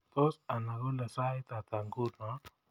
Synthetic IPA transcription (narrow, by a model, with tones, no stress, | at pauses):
t̪o˦sa˨na˨ɣo˦le˨sa˦jt̪a˨t̪a˨ŋɡu˦na˨˦